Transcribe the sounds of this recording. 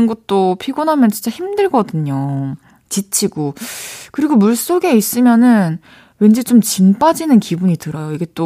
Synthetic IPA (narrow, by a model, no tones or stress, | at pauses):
nɡot͈opʰiɡonɦamjʌnt͡ɕint͡ɕaçimdɯɭɡʌdɯɲo | t͡ɕit͡ɕʰiɡokɯɾiɡomuɭs͈oɡe̞is͈ɯmjʌnɯn | we̞nd͡ʑet͡ɕomt͡ɕimp͈ad͡ʑinɯnkibuɲitɯɾʌjoiɡe̞t͈o